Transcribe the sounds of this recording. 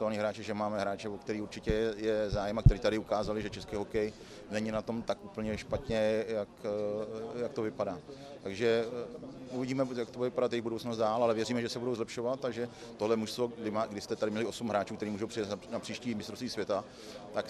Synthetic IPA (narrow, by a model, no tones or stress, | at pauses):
t̪alɲiːɦɾaːt͡ʃɛʒɛmaːmɛɦɾaːt͡ʃɛvokt̪ɛɾiːuɾt͡ʃɪcɛjɛzaːjɛmakt̪ɛɾiːt̪adɪukaːzalɪʒɛt͡ʃɛskiːɦo̞kɛj | nɛɲɪnat̪o̞mt̪akʔupl̩ɲɛʃpat̪ɲɛjak | jak̚t̪ovɪpadaː | t̪aɡʒɛ | uvɪɟiːmɛjakt̪obuvɪpadat̪jɛjɪɣbudowt͡snost̪daːlalɛvjɛriːmɛʒɛsɛbudo̞wzlɛpʃo̞vat̪̚ːaɡʒɛ | t̪oɦlɛmuʃst̪vodɪaɡdɪst̪ɛt̪adɪmɲɛlɪʔo̞sumɦɾaːt͡ʃuːkt̪ɛɾiːmuːʒo̞wprɪjat̪napr̥iːʃciːmɪst̪ɾost̪viːsvjɛt̪a | t̪ak